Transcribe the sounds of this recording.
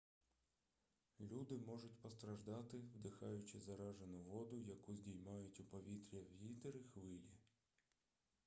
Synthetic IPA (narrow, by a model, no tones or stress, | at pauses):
lʲud̪ɪmɔʒʊtʲpɔst̪ɾɐʒd̪ɑt̪ɪwd̪ɪxɑjʊt͡ʃɪzɐɾɑʒenʊʋɔd̪ʊjɐkuzʲdʲijmɑjʊtʲʊpɔʋʲit̪ɾʲɐwit̪ɪɾɪxʋɪlʲi